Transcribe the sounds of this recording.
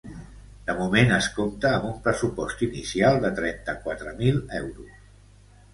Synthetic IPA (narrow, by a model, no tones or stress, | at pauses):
d̪̥əmumenəskomt̪əːmbumpɾəsupɔst̪inisialˠd̪ət̪ɾɛnt̪əkwat̪ɾəmilɛwɾus